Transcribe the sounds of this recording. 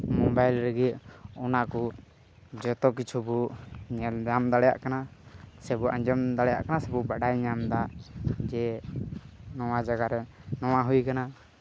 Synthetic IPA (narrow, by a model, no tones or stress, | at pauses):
mɔbajlɾəɡiɔnakɔ | d͡ʒɔt̪ɔk̬it͡ʃʰubuɲɛld͡ʒamd̪aɽɛja̰ʔkanasɛbuʔa̰ɲd͡ʒɔmd̪aɽɛja̰ʔkanasɛbubaɖajɲamd̪ad͡ʒɛ | nɔwad͡ʒaɡaɾɛnɔwaɦujkana